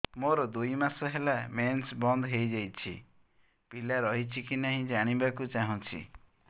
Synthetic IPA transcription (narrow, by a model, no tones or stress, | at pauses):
moɾɔd̪ujmasɔɦelamensbɔnd̪ɦejd͡ʒajt͡ʃʰḭ | pilaɾɔɦit͡ʃʰikinaɦĩd͡ʒaɽ̃ibakut͡ʃaɦũt͡ʃʰḭ